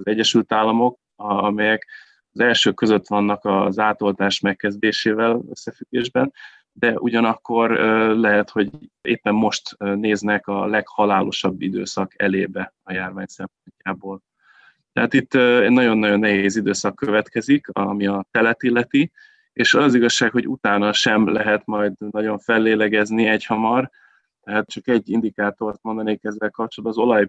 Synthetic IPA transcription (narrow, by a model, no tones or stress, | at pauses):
zɛɟːɛʃylt̪aːlːɒmo̞k | ɒmɛjɛk | ɒzɛlʃøːkːø̞zø̞t̪ʋɒnːɒkɒzaːt̪o̞lt̪aːʃmɛkːɛzd̪eːʃeːvɛlø̰sːɛfyɡːeːʒbɛn | d̪ɛʔuɟɒnɒkːo̞røːlɛɦɛt̪ho̞ɟḛːpːɛmːo̞ʃt̪ːneːznɛkɒlɛkhɒlaːlo̞ʃɒbːid̪ø̰ːsɒkɛleːbɛɒjaːrvaːɲsɛmpo̞ɲcaːboːl | t̪ɛɦaːt̪it̪ːøɛnɒɟo̞nːɒɟo̞nːɛɦeeːzid̪øːsɒkːøvɛt̪kɛzikɒmiɒt̪ɛlɛt̪ilːɛt̪i | eːʃɒzɒziɡɒʃːaːkho̞ɟut̪aːnɒʃɛmlɛɦɛt̪mɒjd̪nɒɟo̞ɱfɛlːeːlɛɡɛzniɛchɒmɒr | t̪ɛɦaːt̪̚t͡ʃɒkɛɟːind̪ikaːt̪o̞rt̪̚mond̪ɒneːkɛzːɛlkɒp̚t͡ʃold̪bɒːzo̞lɒj